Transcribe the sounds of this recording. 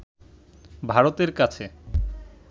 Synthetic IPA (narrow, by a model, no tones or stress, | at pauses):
bʱaɾot̪eɾkat͡ɕʰe